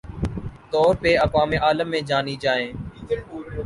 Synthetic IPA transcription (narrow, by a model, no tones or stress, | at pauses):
t̪ɔːɾpeːəkʋaːmeːʔaːləmːẽːd͡ʒaːniːd͡ʒaːẽː